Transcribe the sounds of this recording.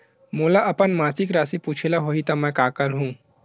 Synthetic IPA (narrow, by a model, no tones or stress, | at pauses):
moːlaʔɐpənmaːsikɾaːsipuːt͡ʃʰelaɦoːit̪ɔmɛ̃kaːkəɾɦũː